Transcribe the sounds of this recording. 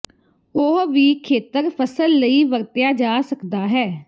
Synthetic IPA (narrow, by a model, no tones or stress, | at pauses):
oɦʋiːkʰeːt̪əɾpʰəsəlːəiːʋəɾt̪jaːd͡ʒaːsəkd̪aːɦɛː